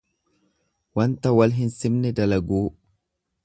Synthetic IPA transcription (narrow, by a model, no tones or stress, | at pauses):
wɐnt̪ɐwɐlɦɪnsɪmnɛd̪ɐlɐɡuː